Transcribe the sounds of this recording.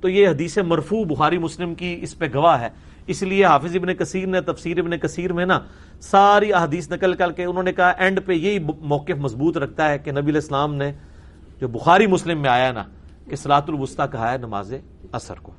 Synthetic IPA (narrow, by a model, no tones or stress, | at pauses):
t̪oːjeɦɐd̪iːsemɐɾfuːbʊxaːɾimʊslɪmkiɪspeɡɐʋaɦɛː | ɪslieɦaːfɪzɪbnekɐsiːɾnet̪ɐfsiːɾɪbnekɐsiːɾmẽna | saːɾiɐɦad̪iːsnɐkəlkɐɾkeʊnɦõːnekɐɦaʔɛ̃ːɳɖpejeɦimɔːkɪfmɐsbuːt̪ɾɐkʰt̪aɦɛkenɐbiəlɛːslaːmne | d͡ʒoːbʊxaːɾimʊslɪmːẽaːjaɦɛna̰ | kesɐlaːɦət̪ʊlʋʊst̪akɐɦaːɛnɐma̰ːze | ɐsə̰ɾko̰ː